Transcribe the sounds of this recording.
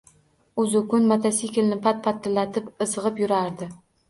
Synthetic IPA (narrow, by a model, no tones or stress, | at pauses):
ʊzʊkʊnmat̪ʰasikʲɪlnɪpat̪̚pʰat̪ʰːɪlːat̪ʰɪpɨzɨʁɨpjʊɾaɾd̪ɪ